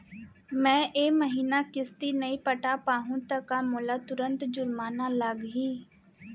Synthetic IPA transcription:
mɛ̃ːʔeːməɦiːnaːkɪst̪iːnəiːpəʈaːpaːɦũːt̪əkaːmoːlaːt̪ʊɾə̃nt̪d͡ʒʊɾmaːnaːləɡɦiː

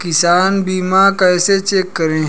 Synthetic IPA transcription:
kɪsaːnbiːmakɛːset͡ʃeːkːəɾẽː

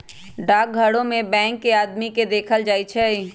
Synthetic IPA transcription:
ɖaːk̚ɡʱəɽõmẽbɛ̃ːŋkːeaːd̪miked̪eːkʰəld͡ʒaːit͡ʃʰɛ

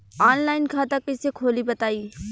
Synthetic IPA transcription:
aːnlaːɪnkʰaːt̪akɪsekʰoːlibɐt̪aːiː

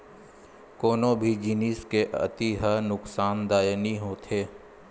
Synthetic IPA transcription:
koːnõbʱid͡ʒiniskeʔɐ̰t̪iɦənʊksaːnd̪aːjniɦoːt̪ʰeː

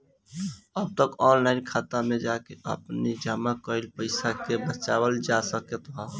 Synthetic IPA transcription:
əb̚t̪əkɔːnlaɪnkʰaːt̪amẽd͡ʒakeʔə̰pnid͡ʒəmakəɪlpəɪsakebət͡ʃawəld͡ʒasəket̪ɦɔ

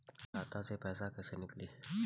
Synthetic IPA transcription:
aːt̪ãsepɛːsakɛːsenɪkliː

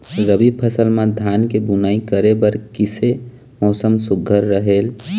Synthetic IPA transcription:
ɾəbib̚pʰəsəlmad̪ʱjankebunaikəɾebəɾkise | mɔːsəmsʊɡʱːəɾːəɦeːl

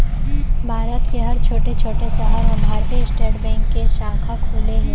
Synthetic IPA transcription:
bʱaːɾət̪keɦɐɾt͡ʃʰoːʈet͡ʃʰoːʈeseʔɐɾbʱaːɾt̪eʃʈeːɖbɛ̃ːŋkːeʃãːkʰakʰuːle

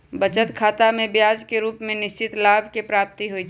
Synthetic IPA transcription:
bət͡ʃət̪kʰaːt̪amẽbjaːd͡ʒkeɾuːpmẽnɪʃt͡ʃɪt̪laːbʱkepɾaːp̚t̪iɦoit͡ʃʰ

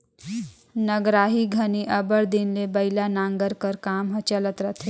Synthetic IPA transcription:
nɐɡɾaːɦiɡʱɐniʔɐbəɽd̪inlebɐɪlanãːŋɡəɾkəɾkaːmɦɐt͡ʃələt̪ɾɐt̪ʰe

